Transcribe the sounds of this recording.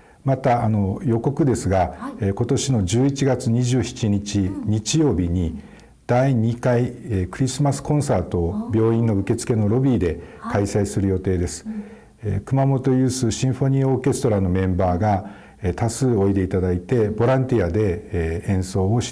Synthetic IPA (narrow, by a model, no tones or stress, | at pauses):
mat̪aːno̞jo̞ko̞kɯ̟d̪e̞sɨɡaeko̞t̪o̞ɕino̞d͡ʑɨːit͡ɕiɡat͡sɨɲ̟iʑɨːçi̥t͡ɕiɲ̟it͡ɕiɲ̟it͡ɕijo̞ːbʲiɲ̟i | d̪̥aiɲ̟ikaiekɯ̟ɾʲisɨmasɨ̥kõ̞ɰ̃saːt̪o̞bʲjo̞ːĩnːo̞ɯ̟ke̞t͡sɨ̥ke̞no̞ɾo̞bʲiːd̪e̞kaisaisɨɾɯ̟jo̞t̪e̞ːd̪e̞sɨ̥ | kɯ̟mamo̞t̪o̞jɯ̟ːsɨɕĩɰ̃ɸo̞ɲ̟io̞ːke̞sɨ̥t̪o̞ɾano̞mẽ̞mbaːɡa | et̪asɨːo̞id̪e̞it̪ad̪ait̪e̞bo̞ɾãnt̪ʲiad̪e̞ẽ̞ɰ̃so̞ːoɕ